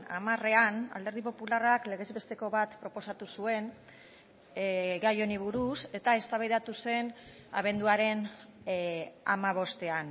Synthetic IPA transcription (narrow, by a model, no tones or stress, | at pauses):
a̰mare̞ana̰ld̪e̞ɾð̞ipo̞pularakle̞ɣ̞e̞zβe̞st̪e̞ko̞βat̪pɾo̞po̞sat̪usue̞n | ɡajo̞niβuɾuse̞t̪ae̞st̪aβajðat̪use̞n | a̰β̞e̞nd̪uaɾe̞n | a̰maβ̞o̞st̪e̞an